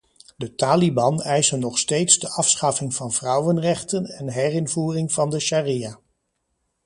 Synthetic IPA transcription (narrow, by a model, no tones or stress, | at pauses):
dətaːlibɑnɛjsənɔχstejtsdəʔɑfsχɑfɪŋv̥ɑnv̥rʌwənrɛχtənɛnɦɛrɪnvuːrɪŋvɑndəʃaːrijaː